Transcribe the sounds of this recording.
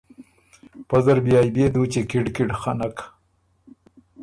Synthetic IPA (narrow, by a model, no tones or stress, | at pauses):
pazaɾbjɑːjbed̪ut͡ʃekɪɖkɪɖxanak